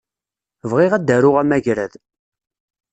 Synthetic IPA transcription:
vʁiʁæd̪ːæɾʊʁæmæʝɾæð

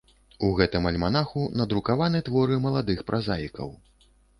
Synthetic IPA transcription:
uɣɛt̪ɨmɐlʲmanaxunɐd̪ɾukavanɨt̪vɔɾɨmɐlˠad̪ɨxpɾʔazajikɐ̰w

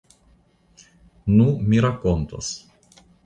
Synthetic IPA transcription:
numiɾakont̪o̰s

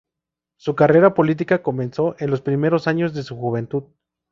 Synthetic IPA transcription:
sukare̞ɾapo̞lit̪̬ikako̞mẽ̞nso̞ʔe̞nlo̞spɾime̞ɾo̞saɲo̞zðesuxuβ̞e̞nt̪uð

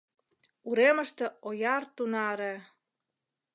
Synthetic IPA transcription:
uɾemə̆ʃt̪ĕojɑrt̪unɑɾe

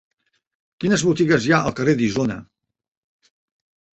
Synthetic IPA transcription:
kinəzβut̪iɣəzjaʔəlˠkəred̪izonə̰

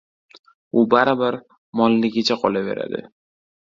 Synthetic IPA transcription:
ʊbaɾabaɾ | mɒlːɪɡʲɪt͡ʃʰaqʰɒlave̞̰ɾa̰d̪ɪ̰

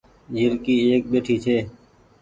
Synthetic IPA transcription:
d͡ʒɪɾkiːeːk̚ɓeːʈʰiːt͡ʃʰeː

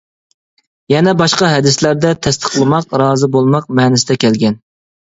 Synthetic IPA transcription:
jɛnɛbɑʃqɑɦɛd̪ɪslæɾd̪ɛt̪ʰɛst̪ʰə̥qlˠɨmɑqɾɑːzɨbolˠmɑq̚mɛːnɪsɪd̪ɛkʲʰɛlɡʲɛn

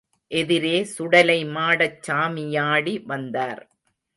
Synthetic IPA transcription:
ʔɛðɪɾeːsʊɽɐlɐɪmaːɽɐt͡ʃːaːmɪjaːɽiʋɐnd̪aːɾ

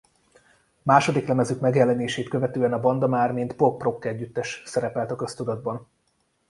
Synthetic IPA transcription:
maːʃo̞d̪iklɛmɛzykmɛɡjɛlːɛneːʃeːt̪køvɛt̪øːɛnɒbɒnd̪ɒmaːrmint̪pok̚pro̞kːɛɟːyt̪ːɛʃsɛɾɛpɛlt̪ɒkø̞st̪ud̪ɒd̪̚bɒn

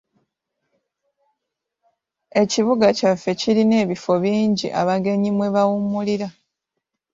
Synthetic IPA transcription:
e̞ciβuɡacafːe̞ciline̞ːβifo̞βiːɲɟḭʔa̰βaɡe̞ɲimwe̞βawumuliɾa

